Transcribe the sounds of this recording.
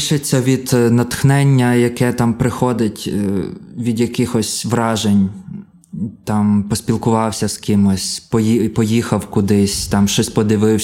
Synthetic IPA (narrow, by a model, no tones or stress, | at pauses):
ʃɪt͡sʲːɐʋʲid̪nɐt̪xnɛnʲːɐjɐkɛt̪ɑmpɾɪxɔd̪ɪtʲ | ʋʲid̪jɐkɪxɔsʲʋɾɑʒenʲ | t̪ɑmpɔspʲilˠkʊʋɑwsʲɐskɪmɔsʲpɔjipɔjixɐwkʊd̪ɪsʲt̪ɑmʃt͡ʃɔsʲpɔd̪ɪʋɪw